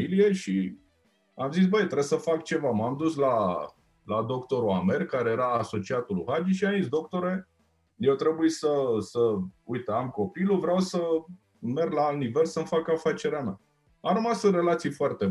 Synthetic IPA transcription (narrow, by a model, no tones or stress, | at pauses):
ilije̞ʃi | amzis̬bəjt̪ɾesəfakt͡ʃe̞vamamd̪usla | lad̪o̞kt̪o̞ɾuame̞rkaɾe̞je̞ɾaːso̞t͡ʃiat̪uluhad͡ʒiʃiamins̬d̪o̞k̚t̪o̞ɾe̞ | jewt̪ɾe̞bujesəsəujt̪eamko̞piluvɾeawsə | me̞rɡlaalt̪nive̞lsəmfakafat͡ʃe̞ɾeamʲa̰ | amɾəmasɨre̞lat̪sijfoart̪e